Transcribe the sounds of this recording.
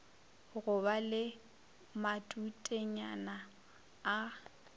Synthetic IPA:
ɣʊbalɪ | matʼutʼeɲanaː

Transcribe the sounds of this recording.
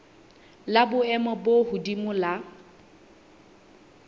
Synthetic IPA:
labʊɛmɔbohʊdimʊla

